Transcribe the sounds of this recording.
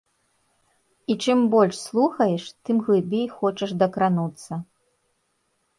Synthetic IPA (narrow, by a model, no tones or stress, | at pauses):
it͡ʂɨmbɔlʲʂslˠuxɐjɛʂt̪ɨmɣlˠɨbʲejxɔt͡ʂɐʂd̪ɐkɾanut̪sːɐ